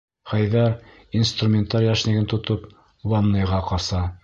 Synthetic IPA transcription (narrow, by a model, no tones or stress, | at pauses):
χæjðæɾ | inst̪rumʲent̪ɑɾʲjɑʃnɘ̆ɡɘnt̪ŏt̪op | wɑnːɤ̆jʁɑqɑsɑ